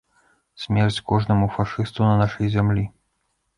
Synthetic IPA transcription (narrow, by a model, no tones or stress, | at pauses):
sʲmʲɛrt͡sʲkɔʐnɐmufaʂɨst̪unɐnaʂɐjzʲamlʲi